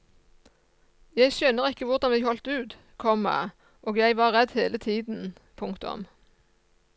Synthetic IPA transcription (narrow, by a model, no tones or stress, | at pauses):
jæɪʃønəʁɪkːəʋʊʁd̪ɑnʋɪhɔlt̪ʉːt̪ | kʰɔmæ̰ | ʔoːɡjæɪʋɑːʁʁɛd̪heːlət̪ʰiːd̪n̩ | pʰʊŋkt̪ʊ̰m